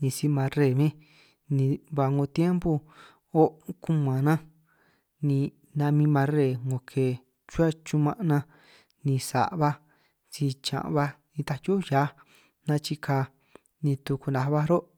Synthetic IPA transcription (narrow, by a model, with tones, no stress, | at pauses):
nĩ˧si˧mã˧ɾe˧˨mĩ˦ | nĩ˧βa˧ŋõ˧t̪je˦mbu˧ | o˦ku˦mã˨nã˦ | nĩ˧ | nã˧mĩ˧mã˧ɾe˧˨ŋõ˧kʰe˧˨ | t͡ʃu˦a˦t͡ʃu˧mã˧ʔnã˧ | nĩ˧sa̰˨ʔβa˧ | t͡ʃi˧t͡ʃã̰˨ʔβa˧nĩ˧t̪a˧jo˦ja˨˦ | nã˧t͡ʃi˧kʰa˧ | nĩ˧t̪u˧ku˧nã˧βa˦ɾo˦